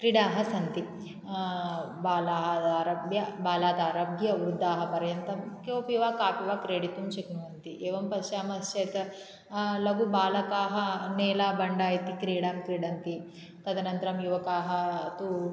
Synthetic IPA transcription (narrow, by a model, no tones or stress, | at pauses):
kɾiɽaːɦɐsɐnt̪i | baːlaːɦɐaːɾɐbjɐbaːlaːt̪aːɾɐbʱjɐʋɾud̪ʱːaːɦɐpɐɾjɐnt̪ɐmkjoːpiʋaːkaːpiʋaːkɾeːɽit̪umt͡ʃɐknuʋɐnt̪iʔeːʋɐmpɐʃjaːmɐst͡ʃɐjt̪ɐ | lɐɡubaːlɐkaːɦɐneːlaːbɐɳɖaːjɐt̪ikɾiːɽaːmkɾiːɽɐnt̪i | t̪ɐd̪ɐnɐnt̪ɐɾɐmjuʋɐkaːɦɐt̪u